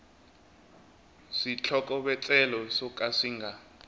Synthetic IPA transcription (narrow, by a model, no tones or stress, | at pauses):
sit͡ɬʰɔkʼɔɓɛt͡sʼɛlɔsɔkʼasiŋɡʱa